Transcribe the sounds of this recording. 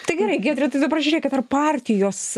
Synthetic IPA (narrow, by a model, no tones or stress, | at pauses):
t̪ɐɪɡʲɛɾɐɪɡʲɛːd̪ʲɾʲɛt̪ɐɪd̪ɐbɐɾd͡ʒʲʊɾʲɛːkʲɛt̪ɐrpɑːɾʲt̪ʲɪjoːs